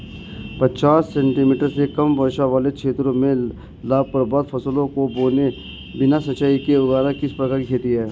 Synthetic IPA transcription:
pɐt͡ʃaːsːɛ̃ːɳʈimiːʈəɾsekɐmʋɐɾʃaʋaːlekʃʰeːt̪ɾõmẽ | laːb̚pɐɾbaːd̪fʰɐsəlõkoboːne | bɪnasɐtːt͡ʃaːikeʊɡaːɾãkɪspɾɐkaːɾkikʰeːt̪iɦɛː

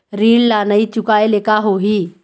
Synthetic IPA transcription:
ɾiːllanəit͡ʃʊkaelekaɦoɦiː

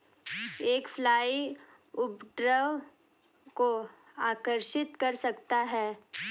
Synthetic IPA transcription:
eːkfʰlaːiʊpɖɾəʋ | koaːkəɾʃɪt̪kɐɾsɐkt̪aɦɛː

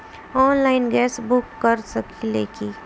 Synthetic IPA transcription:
ɔːnlaːɪnɡɛːsbʊkːəɾsəkʰilekiː

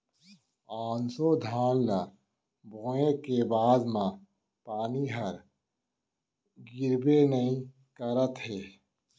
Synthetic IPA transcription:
aːnsod̪ʱaːlna | bʱõːẽkebaːd̪mã | paːniɦəɾ | ɡɪɾbenəĩ | kəɾət̪ɦɛː

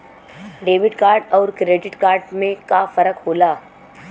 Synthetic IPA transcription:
ɖeːʋɪɖkaːɾɖɔːɾkɾeːɖɪʈkaːɾɖmẽkafɐɾəkɦoːlaː

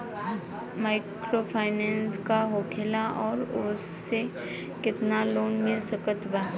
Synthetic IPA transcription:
maːɪkɾopʰaːɪnɛ̃ːnskaɦoːkʰelaʔɔːɾʊsːe | kɪt̪naloːnmɪlsəkət̪baː

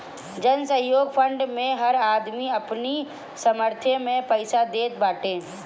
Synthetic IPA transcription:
d͡ʒɐnsə̃ɦjoːɡpʰə̃ɳɖmẽɦɐɾaːd̪miɐpni | sɐməɾt̪ʰjemẽpəɪsad̪eːt̪̚baːʈẽː

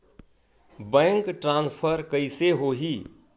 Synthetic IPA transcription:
bə̃ŋkʈɾãnspʰəɾkəɪseɦoɦi

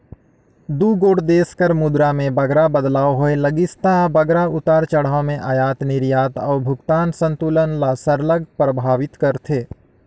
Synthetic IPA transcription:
d̪uːɡoːɽd̪eːskəɾmʊd̪ɾamẽbɐɡɾabəd̪laːoɦoelɐɡɪst̪abəɡɾaʊt̪aːɾt͡ʃəɽ̤aːomẽʔajaːt̪nɪɾjaːt̪ɔːɾbʱʊɡt̪aːnsə̃nt̪uːlənlasəɾləɡpɾəbʱaːʋɪt̪kɐɾt̪ʰeː

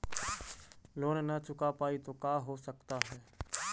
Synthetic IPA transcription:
loːnnət͡ʃʊkapaːit̪oːkaːɦosəkt̪aɦɛː

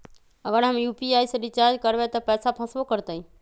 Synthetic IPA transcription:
əɡəɾɦəmjupiajsə̃ɾit͡ʃaɾd͡ʒkəɾbet̪ɔpəjsapʰə̃sbokəɾt̪əĩ

